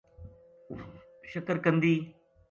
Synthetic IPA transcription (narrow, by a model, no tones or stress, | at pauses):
ʃəkəɾkə̃nd̪iː